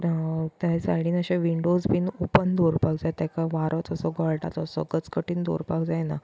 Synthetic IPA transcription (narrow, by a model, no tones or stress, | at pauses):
t̪asaɽiːnəɕẽʋiɳɖod͡zbiːnupənd̪oɾpaɡd͡zajt̪jakaʋaɾɔ̃t͡səsɔɡʱəɭʈa̰t͡səsɔ̰ɡət͡skəʈiːnd̪o̰ɾpaɡd͡zajna